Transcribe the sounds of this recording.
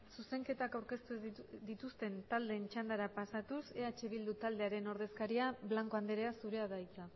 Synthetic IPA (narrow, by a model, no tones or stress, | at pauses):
suse̞ŋke̞t̪akawɾke̞st̪ud̪it̪ust̪e̞nt̪ald̪e̞nt͡ʃand̪aɾapasat̪use̞at͡ʃeβ̞ild̪ut̪ald̪e̞aɾe̞no̞ɾðe̞skaɾiaβlaŋko̞and̪eɾe̞asuɾe̞aðajt͡sa